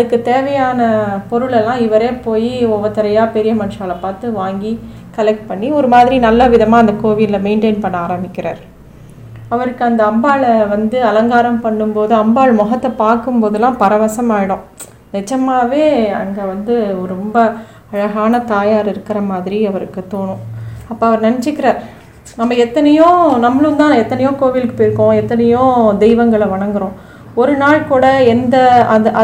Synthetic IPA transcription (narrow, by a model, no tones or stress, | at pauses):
ɐðɯkːɯt̪eːʋɐjaːnɐpɔɾɯɭɛlːãːɪʋɐɾeːpoːjiɔʋɐt̪ːɐɾɐjaːpɛɾɪjɐmɐnɯʂaːlɐpaːɾt̪ɯʋaːŋɡi | kɐlɛk̚ʈ̚pɐɳːiɔɾɯmaːðɪɾinɐlːɐʋɪðɐmaːɐnd̪ɐkoːʋiɪlɐmeɪɳʈeːnpɐɳːaːɾɐmbɪkːɪɾa̰ːɾ | ɐʋɐɾɯkːɯɐnd̪ɐɐmbaːɭɐʋɐnd̪ɯɐlɐŋɡaːɾɐmpɐɳːɯmpoːðɯɐmbaːɭmɔɣɐt̪ːɐpaːɾkɯmpoːðɯlːãːpɐɾɐʋɐsɐmaːɪɽõ | nɛt͡ʃːɐmaːʋeːɐ̰ŋɡeːʋɐnd̪ɯɔɾɾɔmbɐ | ɐɻɐɣaːnɐt̪aːjaːɾɪɾɯkːɪɾɐmaːðɪɾiɐʋɐɾɯkːɯt̪oːɳʊ̃ɐpːoːɐʋɐɾnɐnɪt͡ʃːɯkːɪɾaːɾ | nɐmːɐɛt̪ːɐnɐjõːnɐmːɭɯnt̪ãːɛt̪ːɐnɐjõːkoːʋɪlkːɯ̥pːoːjɪɾɯkːõɛt̪ːɐnɐjõːd̪ɛɪʋɐŋɡɐɭɐʋɐɳɐŋɡɯɾõː | ɔɾɯnaːɭkuːɽɐɛnd̪ɐɐðʔɐ